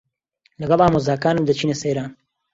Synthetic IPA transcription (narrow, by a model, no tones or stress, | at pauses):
lɐɡɐlˠaːmoːzaːkaːnɨmd̪ɐt͡ʃʰiːneseːɾaːn